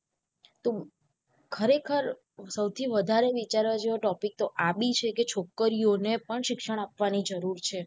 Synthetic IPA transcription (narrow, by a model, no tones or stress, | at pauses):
t̪o | kʰəɾekʰəɾ | səwt̪ʰiʋəd̪ʱaɾeʋit͡ʃaɾʋad͡ʒeʋoʈɔpik̚t̪oʔabit͡ʃʰeket͡ʃʰokːəɾionepəɳʃɪkʃəɽ̃apʋanid͡ʒəɾuɾt͡ʃʰe